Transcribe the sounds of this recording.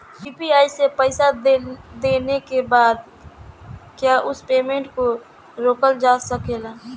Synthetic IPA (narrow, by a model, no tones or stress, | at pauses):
siːpiaːisepəɪsad̪eːnekebaːd̪ | kjaːʔʊspeːmẽːɳʈko | ɾoːkəld͡ʒaːsəkelaː